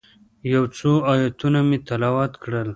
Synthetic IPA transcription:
jawt͡soɑjɑt̪unamet̪alɑwɑt̪kɽəl

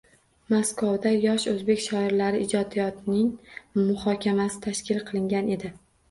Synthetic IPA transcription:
maskvawd̪ajɒʃɵzbe̞kʲʃɒɪɾlaɾɪɪd͡ʒɒd̪ijɒt̪nɪŋmʊhɒkʲʰamasɪ̥t̪ʰaʃkʲɪlqʰɨlˠɪŋɡʲane̞d̪ɪ

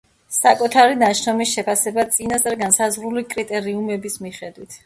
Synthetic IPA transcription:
sakʼut̪ʰaɾinaʃnɔmisʃɛpʰasɛbat̪sʼinast̪ʼɾɡansazʁɾulikʼɾit̪ʼɛɾiumɛbismiχɛd̪wit̪ʰ

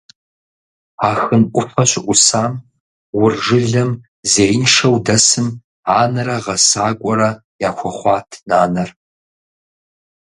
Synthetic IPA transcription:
aːxɨnʔʷʼʊfɐɕɪʔʷʊsaːm | wʊrʐɨɮɐm | zeːjɪnʂɐwdɐsɨm | aːnɐrɐʁɐsaːkʷʼɔɾɐ | jaːxʷɔχʷɑːtʰnaːnɐr

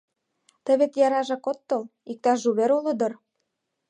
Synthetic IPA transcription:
t̪ə̆βet̪jɑɾɑʒɑkot̪ːɤ̆lik̚t̪ɑʒuβeɾulɤ̆d̪ɤ̆r

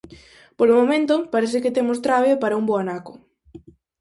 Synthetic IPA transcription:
polomomẽnt̪opaɾeθɪkɪt̪emos̬t̪ɾaβepaɾɐumboanako̥

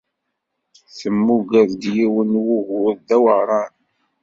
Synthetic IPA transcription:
θəmːuɡəðd̪jiwənwuɣʊðd̪æwəʁɾˤɑn

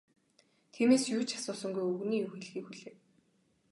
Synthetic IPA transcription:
t̪ʰiːmeːsjʊːt͡ɕʰḁsʊːsɞ̆ŋɡujɵɣniːjuːxeɮxiːkxuɮeː

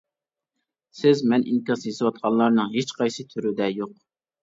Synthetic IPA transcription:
sɪzmɛnʔḭnkʲɑsjezɨwɑt̪̚qʰɑnlˠɑɾnɨŋɦet͡ʃqʰɑjsɨt̪ʰyɾyd̪ɛjoq

